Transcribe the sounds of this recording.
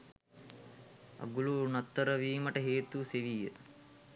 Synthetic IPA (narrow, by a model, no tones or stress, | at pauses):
ɐ̰ɡulunɐt̪ːəɾəʋiːməʈəɦeːt̪useʋijə